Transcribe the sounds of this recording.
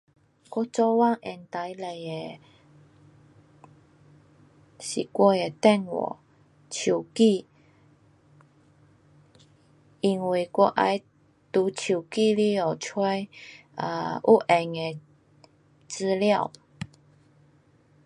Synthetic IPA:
kwɔ˥˧t͡sɔ˦wa˥˧˨ŋɛ˨˩nt̪a˨˦jle˨˩je˨ | ɕi˨˩kwɔ˧e˨˩t̪ɛ˥˧˨nwɔ̰˨˩ | t͡ɕʰu˨˩ki˥˧ | i˧ŋwi˧˨˩kwɔ˥˧˦ʔa̰˧j | t̪u˨˧˦t͡ɕʰu˨˩ki˥˧li˦˧o˨˩t͡sʰwe˦˥j | ə̰˧ʔu˦ʔɛ˨˩ŋe˨˩ | t͡sɨ˧lja˥˧˨w

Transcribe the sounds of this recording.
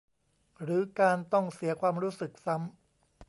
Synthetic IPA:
ɾɯː˩˦kaː˧nt̪ɔ˥˩ŋsi˩˦ɐkʰwaː˧mɾuː˦˥sɯ˨˩k̚sa˦˥m

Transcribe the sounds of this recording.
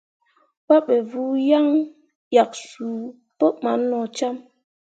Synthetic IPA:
pa˦ɓe˨vu˦ja˦ŋ | ja˨k̚su˨ | po˦ʔma˨˦nːɔ˨t͡ʃa˦m

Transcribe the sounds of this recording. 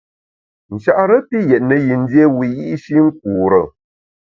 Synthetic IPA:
n̩˨ʃa˦˨ʔɾə˦pi˦jɛ˨ʔnə˨ji˨n̩˦dje˦wi˨ji˦ʔʃi˦ŋ̩˦k̚u˨ɾə̰˨

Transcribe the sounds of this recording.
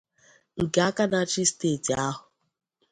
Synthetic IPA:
ŋ̩˨ke˨a˦ka˦na˦t͡ʃi˦steː˦˨ti˨a˦ɦʊ˨

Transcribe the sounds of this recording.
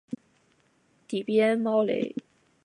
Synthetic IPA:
t̪i˨˩pjɛ˥˦nmɑ˥ʊlḛ˧˥˩ɪ

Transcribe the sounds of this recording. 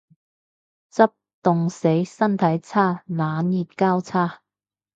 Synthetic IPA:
t͡sɐ˥p̚t̪ʊ˨ŋse˨˥jsɐ˥nt̪ʰɐ˨˥jt͡sʰaː˥laː˨˥njiː˨t̚kaː˥wt͡sʰaː˥

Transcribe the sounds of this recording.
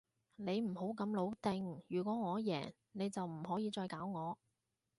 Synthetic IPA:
ne˨˧jm̩˨˩ho˨˥wkɐ˨˧mlo˨˧wt̪ɪ˧ŋjyː˨˩kʷɔː˨˥ŋɔː˨˧jɛ̰ː˨˩ŋ | ne˨˧jt͡sɐ˨wm̩˨˩hɔː˨˥jiː˨˧t͡sɔː˧jkaː˨˥wŋɔː˨˧

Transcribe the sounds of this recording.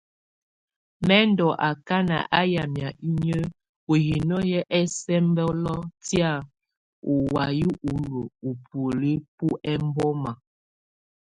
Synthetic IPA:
mɛ˦n˦dɔ˨ʔa˨ka˦na̰˨ʔa˦ja˨mja˨i˦ɲə˦ | o˨ji˨nɔ˦jɛ˦ʔɛ˦sɛ˦m˦bɛ˦lɔ˦tja˦˨ | u˨wa˨ji˦ʔu˨˦ɾo˨u˨po˨li˦pu˦ʔɛ˦m˦bɔ˦ma˨

